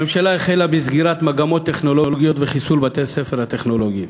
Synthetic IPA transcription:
memʃalaeχelabizɡiʁat̪maɡamo̞t̪ːe̞χno̞lo̞ɡijo̞t̪veχisulbat̪esefeʁhat̪e̞χno̞lo̞ɡi

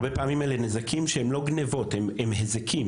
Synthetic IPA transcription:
bepaːmimelenezakʰimʃehemlo̞ɡnevo̞thememhezekʰim

